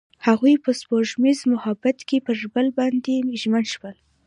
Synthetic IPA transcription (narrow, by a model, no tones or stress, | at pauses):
haɣujpəspoʒmizmʊhabat̪kepəʒbəlbɑnd̪eʒmənʃwəl